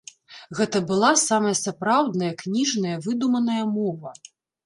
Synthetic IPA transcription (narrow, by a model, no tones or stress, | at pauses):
ɣɛt̪ɐbɨlˠasamɐjɐsapɾawd̪nɐjɐknʲiʐnɐjɐvɨd̪umɐnɐjɐmɔvɐ